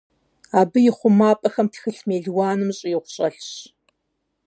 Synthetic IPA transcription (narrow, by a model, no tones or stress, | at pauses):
aːbɨjɪχʷʊmaːpʼɐxɐmtʰxɨɬmeːɮwɑːnɨmɕʼjɪʁʷʊɕʼɐɬɕ